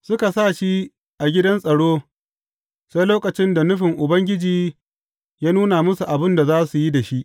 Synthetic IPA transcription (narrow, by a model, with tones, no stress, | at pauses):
sʊ˦ka˨sa˦˨ʃi˦ | ʔa˨ɡʲɪ˦dɐ˦nsʼɐ˨ɽoː˦ | sa˦jloː˦kɐ˨t͡ʃɪ˦nda˨nʊ˦ɸɪ˨ŋʔʊ˨bɐ˦ŋɡʲɪ˦d͡ʒiː˨ | jaː˦nuː˦na˨mʊ˦su˨ʔa˨bɪ˦nda˨zaː˦su˨ji˦da˨ʃi˦ʔ